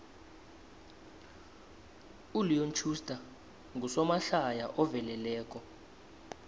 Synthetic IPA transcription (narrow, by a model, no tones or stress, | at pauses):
ulijont͡ʃʰustʼa | ŋɡusɔmaɬajaʔɔvɛlɛlɛːk̬ʼɔ